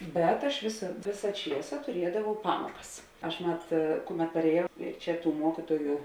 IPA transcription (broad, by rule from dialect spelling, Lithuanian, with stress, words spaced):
ˈbʲɛt ɐʃ ˈʋʲeːsɐ ˈʋʲeːsɐ ˈt͡ʃʲiɛsɐ tʊˈrʲiɛdɐʋɐʊ ˈpɑːmoːkɐs ˈɐʃ ˈmɐt ˈkʊˌmʲɛt pɐrʲeːˈjɛʊ ˈt͡ʃʲɛ ˈtuː ˈmuɔkʲɪtuɔjʊ